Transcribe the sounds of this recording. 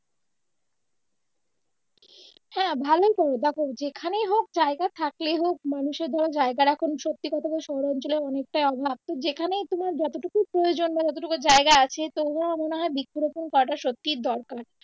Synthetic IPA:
hɛ̃bʱalojk̪ɔd̪ɛkʰobd͡ʑekʰanejɦok̚d͡ʑaeɡat̪ʰakleɦok̚manuʃeɾd̪ʱɔlod͡ʑaeɡaɾɛkʰonʃot̪ːikɔt̪ʰabaʃɔɦoɾɔnt͡ɕoleɔnek̚ʈajɔbʱab̚t̪od͡ʑekʰanejt̪omaɾd͡ʑɔt̪oʈukupɾojod͡ʑonbad͡ʑɔt̪̬oʈukud͡ʑaeɡaat͡ɕʰet̪oamoneɦɔebikːoɾoponkɔɾaʈaʃot̪ːiɾd̪ɔɾkaɾ

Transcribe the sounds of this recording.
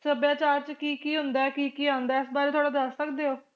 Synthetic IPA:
səbjaːt͡ʃaːɾt͡ʃkiːkiːɦʊ̃nd̪aːɛkiːkiːãːnd̪aːɪsbaːɾeːt̪ʰoaːɽaːd̪əsːəkd̪eːɦoː

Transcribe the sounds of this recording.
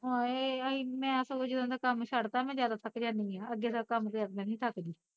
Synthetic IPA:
oːeːiːmɛ̃ːəsood͡ʒɪd̪ə̃d̪aːkəmʃəɽt̪aːmɛ̃ːzjaːd̪aːt̪ʰəkd͡ʒãːnd̪iːãːəɡeːsakəmt̪eəkmɛ̃ːnĩːt̪ʰəkd̪iː

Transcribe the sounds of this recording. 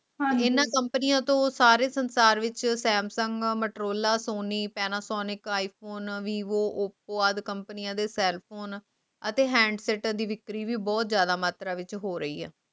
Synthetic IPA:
ɦãːɪnːãːkəmpnɪijãːt̪õːsaːɾeːsənsaːɾʋɪt͡ʃsɛːmsəŋɡməʈɾoːlaːsoːniːpɛːnaːsɔːnɪkaːiːpʰoːnʋiːʋoːʔʊpoːaːd̪kəmpənɪjãːd̪eːsɛːlpʰoːn | ət̪eːɦɛ̃ːɳɖsɛːʈd̪iːʋɪkɾiːʋiːbɔːt̪zjaːd̪aːmaːt̪ɾaːʋɪt͡ʃɦoːɾəḭːɛ̰ː

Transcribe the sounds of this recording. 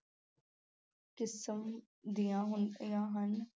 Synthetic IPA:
kɪsəm | d̪ijãːɦʊnəjãːɦɐn

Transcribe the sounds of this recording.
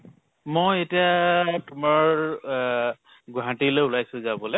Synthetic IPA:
mojetiatʊmaɹ | ɡuɦatilejulajsʊ̃zabɔlɛ

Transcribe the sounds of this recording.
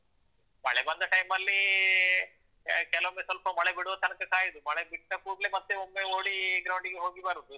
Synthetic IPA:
mɐɭebɐnd̪ɐʈɐjmɐlːi | kɛlɐʋɐmesɐlpɐmɐɭebiɽuʋɐt̪ɐnɐkɐkaːjɐd̪umɐɭebiʈːɐkuːɽlemɐt̪ːeomːeoːɽiɡɾɐwɳɖiɡeɦo̞ːɡibaːɾud̪u

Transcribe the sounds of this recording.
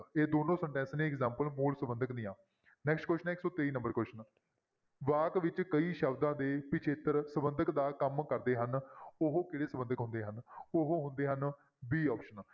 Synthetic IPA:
eːd̪oːnõːsəɳʈɛ̃ːnsnẽːɪkzãːmpəlmuːlsəbənd̪əknĩːãː | nɛːksʈkwɛːʃənɪksɔːt̪eːiːnə̃mbəɾkwɛːʃən | ʋaːkʋɪt͡ʃkəiːʃəbd̪ãːd̪eːpɪt͡ʃʰeːt̪əɾsəbənd̪əkd̪aːkəmkəɾd̪eːɦənʊɦoːkɪɽeːsəbənd̪əkɦʊ̃nd̪eːɦənʊɦõːɦʊnd̪eːɦən | biːɔːpʃən

